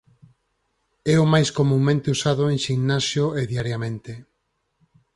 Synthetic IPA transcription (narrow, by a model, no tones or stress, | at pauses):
ɛʊmajskomũŋmẽnt̪eusaðʊeŋʃiŋnasjoeðjaɾjamẽnt̪e